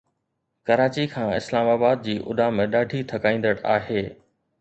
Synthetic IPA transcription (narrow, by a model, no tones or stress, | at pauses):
kɐɾaːt͡ɕikʰãːɪ̰slaːmaːbaːd̪̚d͡ʑiːʔʊ̰ɗaːmẽɗaːɖʱit̪ʰɐkaːĩːn̆d̪əɽaːɦeː